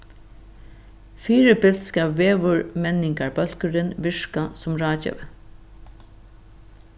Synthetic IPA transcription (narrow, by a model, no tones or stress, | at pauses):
fiːɾɪbɪlt̪skaːpʋeːʋʊɹmɛnɪŋkaɹbœl̥kəɾɪnʋɪʂkasʊmɹaːt͡ʃɛ̰ʋ